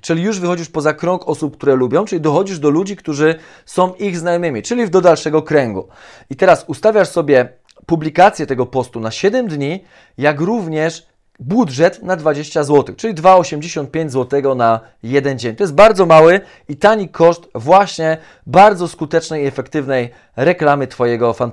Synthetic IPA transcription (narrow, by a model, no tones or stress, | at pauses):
t͡ʂɘlʲijuʐvɘxɔd͡ʑiʂpɔzakɾɔŋkɔsup̚k̚t̪uɾɛlubʲjɔ̃w̃t͡ʂɘlʲid̪ɔxɔd͡ʑiʐd̪ɔlud͡ʑikt̪uʐɘ | sɔ̃w̃ʔiɣznajɔmɘmʲit͡ʂɘlʲivd̪ɔd̪alʂɛɡɔkɾɛŋɡṵ | it̪ɛɾasust̪avʲjaʂsɔbʲjɛ | publʲikat̪sʲjɛt̪ɛɡɔpɔst̪unaɕɛd̪ɛmd̪ɲi | jakɾuvɲɛʂ | budʐɛt̪nad̪vad͡ʑeɕt͡ɕazwɔt̪ɘxt͡ʂɘlʲid̪vaɔɕɛmd͡ʑeɕɔnt̪̚pʲẽɲd͡ʑʲzwɔt̪ɛɡɔna | jɛd̪ɛnd͡ʑeɲʲt̪ɔjɛst̪̚baɾd̪zɔmawɘ | it̪aɲikʰɔʂt̪vwaɕɲɛ | baɾd̪zɔskut̪ɛt͡ʂnɛjiɛfɛkt̪ɘvnɛj | ɾɛklamɘt̪fɔjɛɡɔfan